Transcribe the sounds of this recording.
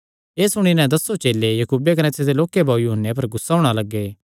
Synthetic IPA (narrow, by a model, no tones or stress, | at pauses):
eːsʊɽ̃inɛ̃d̪ɐsːot͡ʃeːlːejɐkuːbekɐnẽːt̪sʰed̪eloːkebaːujuɦənːep̬ɐɾɡʊsːaːʊɽ̃alɐɡːeː